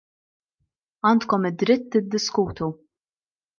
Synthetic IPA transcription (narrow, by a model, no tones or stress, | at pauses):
ɐːnt̪kɔmɪd̪ːɾɪt̪ːɪd̪ːɪskuːt̪u